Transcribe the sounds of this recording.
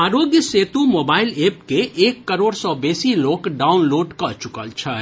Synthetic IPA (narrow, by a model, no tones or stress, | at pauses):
aːɾoːɡjəseːt̪umoːbaːɪleːp̚keʔeːkːəɾoːɽsɔbeːsiloːkɖaːʊnloːɖkɐt͡ʃʊkəlt͡ʃʰɛ